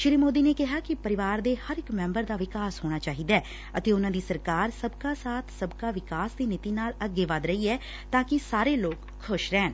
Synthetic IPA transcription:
ʃɪɾiːmoːd̪iːneːkɪɦaːkɪpəɾɪʋaːɾd̪eːhəɾɪkmɛ̃mbəɾd̪aːʋɪkaːsɦoːɽ̃aːt͡ʃaːɦiːd̪aɛː | ət̪eːʊnãːd̪iːsəɾkaːɾsəbkaːsaːt̪ʰsəbkaːʋɪkaːsd̪iːnɪt̪iːnaːləɡːeːʋad̪ɾəiːɛː | t̪ãːkɪsaːɾeːloːkʰːʊʃɾɛːn

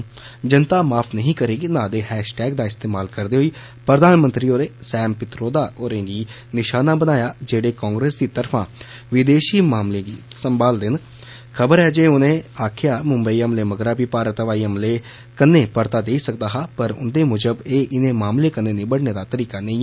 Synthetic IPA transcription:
d͡ʒənt̪aːmaːpʰnəɦĩːkəɾeːɡinãːd̪eːhɛːʃʈɛːɡ̚d̪aːɪst̪eːmaːlkəɾd̪eːɦoiː | pɾəd̪aːnmə̃nt̪ɾiːoːɾeːsɛːmpɪt̪ɾoːd̪aːoːɾẽːɡiː | nɪʃaːnaːbənaːjaːd͡ʒeːɽeːkãːŋɡɾeːsd̪iːt̪əɾfʰãː | ʋɪd̪eːʃiːmaːmlẽːɡiːsəmbaːld̪ɪn | kʰəbəɾɛːd͡ʒeːʊnẽːaːkʰɪjaːmʊmbəiːəmleːməɡɾaːbiːpaːɾət̪ʋaːiːəmleː | kənːẽːpəɾt̪aːd̪eːisək̚d̪aːɦaːpəɾʊ̰nd̪eːmʊd͡ʒəbeːʔɪnẽːmaːmleːkənːẽːnɪbəɽneːd̪aːt̪əɾiːkaːnə̃ɦĩː

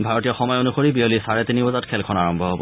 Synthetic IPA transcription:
bʱaɹɔtijɔxɔmɔjonuxoɹibijolisaɹɛtinibɔzatkʰɛlkʰɔnaɹɔmbʱɔɦobɔ̰

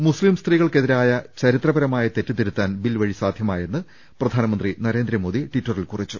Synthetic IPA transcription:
muslimst̪riːɣɐɭke̞ðiɾaːjɐt͡ɕɐɾit̪rɐbɐɾɐmaːjɐt̪e̞tːɨt̪iɾut̪ːaːnbilʋɐɻisaːd̪ʱjɐmaːje̞nːɨ | prɐd̪ʱaːnɐmɐnd̪rinɐɾe̞ːnd̪ɾɐmo̞ːd̪iʈitːɐrilkurit͡ɕːu

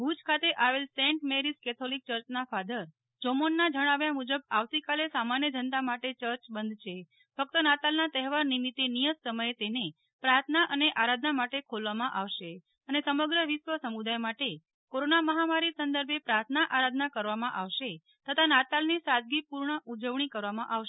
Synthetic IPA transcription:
bʱud͡ʒkʰat̪eʔaʋelsẽɳʈmeɾiskɛt̪ʰolik̚t͡ʃəɾt͡ʃnafad̪əɾ | d͡ʒomonːad͡ʒəɽ̃aʋjamud͡ʒəbaʋt̪ikalesamanjəd͡ʒənt̪amaʈet͡ʃəɾt͡ʃbənd̪ʱt͡ʃʰe | fək̚t̪ənat̪alnat̪ɛɦʋaɾnimit̪ːenijət̪səməjet̪ene | pɾaɾt̪ʰnaʔəneʔaɾad̪ʱnamaʈekʰolʋamãʔaʋʃe | ənesəməɡɾəʋiʃʋəsəmud̪ajmaʈe | koɾonaməɦamaɾisənd̪əɾbʱepɾaɾt̪ʰnaʔaɾad̪ʱnakəɾʋamãʔaʋʃe | t̪ət̪ʰanat̪alnisad̪̚ɡipuɾɳəʔud͡ʒəʋɳ̃ikəɾʋamãʔaʋʃe

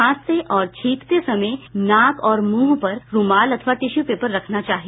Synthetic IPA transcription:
aːst̪eʔɔːɾt͡ʃʰiːkt̪esɐməjnaːkɔːɾmuːɦpɐɾɾumaːlɐt̪ʰəʋaʈ̪ɪʃjupeːpəɾːɐkʰnat͡ʃaːɦie

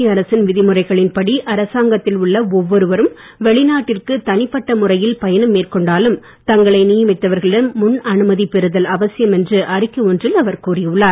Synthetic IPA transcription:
ɐɾɐsɪnʋɪðɪmɯrɐɪɣɐɭɪnpɐɽiʔɐɾɐsaːŋɡɐt̪ːɪlʊɭːɐɔʋːɔɾɯʋɐɾɯm | ʋɛɭɪnaːʈːɪrkɯt̪ɐnɪpːɐʈːɐmʊrɐjɪlpɐjɐnɯmːeːrkɔɳɖaːlɯm | t̪ɐŋɡɐɭɐɪnɪjɐmɪt̪ːɐʋɐɾɣɐɭɪɽɐnːʊnɐnɯmɐðipɛɾɯðɐlɐʋɐsɪjɐmɛndrɯʔɐrɪkːɯɔndrɪlɐʋɐɾkuːrɪɯɭːaːɾ

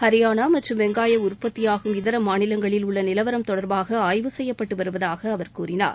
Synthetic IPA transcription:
hɐɾɪjaːnaːmɐʈrɯmʋɛŋɡaːjɐʊɾpːɐt̪ːɪjaːɣɯmɪðɐɾɐmaːnɪlɐŋɡɐɭɪlʊɭːɐnɪlɐʋɐɾɐmt̪ɔɽɐɾbaːɣɐaːjʋɯsɛjːɐpːɐʈːɯʋɐɾɯʋɐðaːɣɐːʋɐɾkuːɾɪna̰ːɾ

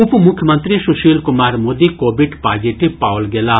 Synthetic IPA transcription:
ʊpmʊkʰjəmə̃nt̪ɾisuʃiːlkʊmaːɾmoːd̪ikoːbiɖpaːd͡ʒiʈipaːwlɡeːlaː

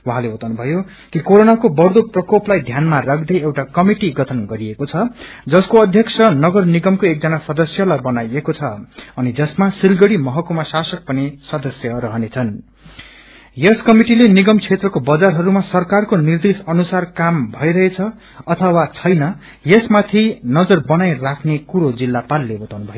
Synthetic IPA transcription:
waɦaleot̪anubʱʌjo | kikoɾonakobʌrd̪oprʌkoplajd̪ʱjanmarakʰd̪ʌjewʈakʌmiʈiɡʌt̪ʰʌnɡʌɾiekot͡sʰʌd͡zʌskoʌd̪ʱjʌksʰʌnʌɡʌrniɡʌmkoek̚d͡zʌnasʌd̪ʌsjʌlabʌnajekot͡sʰʌʌnid͡zʌsmasilɡʌɽimʌɦʌkomasasʌk̚pʌnisʌd̪ʌsjʌɾʌɦʌnet͡sʰʌn | jeskʌmiʈileniɡʌmt͡sʰet̪rʌkobʌd͡zarɦʌɾumasʌrkarkonird̪esʌnusarkambʱʌjɾʌɦet͡sʰʌ | ʌt̪ʰʌwat͡sʰʌjnʌ | jesmat̪ʰinʌd͡zʌrbʌnajrakʰnekuɾod͡zilːapalːebʌt̪awnubʱʌjo

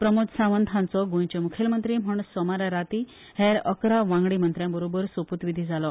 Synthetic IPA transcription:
pɾəmod̪sãʋənd̪ʱʰãnt͡sɔɡõjt͡ɕemukʰelmənt̪ɾiːm̤əɳsɔmaɾaɾat̪i | heɾəkɾaʋãŋɡɽimənt̪ɾjãbəɾobəɾsoput̪ʋid̪ʱid͡zalɔ

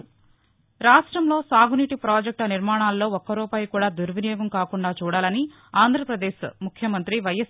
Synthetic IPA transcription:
ɾaːʂʈɾɐmloːsaːɡuniʈipɾaːd͡ʒek̚ʈɐniɾmaːɳaːlːo̞ːɔkːɐɾuːpaːjkuːɽaːd̪uɾʋinijɔːɡɐmkaːkuɳɖaːt͡ʃuːɽaːlɐni | aːnd̪ʱɾɐpɾɐd̪eːʃmukʰjɐmɐnt̪ɾiʋɐjɐs

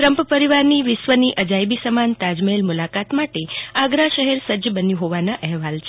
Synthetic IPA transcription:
ɾəmpəpəɾiʋaɾniʋɪsʋəniʔəd͡ʒajbisəmant̪ad͡ʒmelmulakat̪maʈeaɡɾaʃəɦɛɾsəd͡ʒəbənjũɦoʋanaʔɛɦʋalt͡ʃʰ

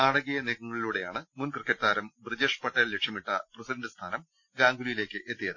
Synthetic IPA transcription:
aːɽɐɣɐjɐneːɣɐŋːɐɭiluːɽe̞jaːɳɨmunkrɨkːɐʈt̪aːɾɐmbrid͡ʑeʂpɐʈːɐːlle̞kʂjɐmiʈːɐprɐsidɐɳdɨst̪ʰaːnɐm | ɡaːŋɡulujile̞ːkːɨʔe̞t̪ːijɐðɨ

